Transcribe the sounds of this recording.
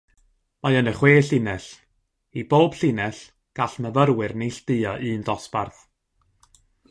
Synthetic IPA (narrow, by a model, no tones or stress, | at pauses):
majənəχweːɬɪnɛɬ | iboːb̥ɬɪnɛɬ | ɡ̥aɬməvəɾwɨrnejɬd̥ɨɔʔɨːndɔsb̥arθ